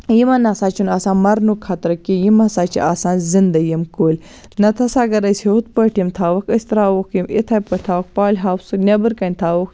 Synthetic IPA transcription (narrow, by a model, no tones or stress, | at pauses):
jimɐnasaːt͡ʃʰunaːsaːnmɐɾnukʰːɐt̪ɾɐkijimɐsaːt͡ʃḭʔasaːnzind̪ɐjimkoːlʲ | nɐt̪ʰɐsaːɡɐɾɐsheut̪pəʈʰimt̪ʰaːwɐkɐsʲt̪ɾaːwokʰjimḭt̪ʰɐːjpəʈt̪ʰaːwɐk̚paːlʲɦaːwsɨnʲɐbɨɾkɐnʲt̪ʰaːwuk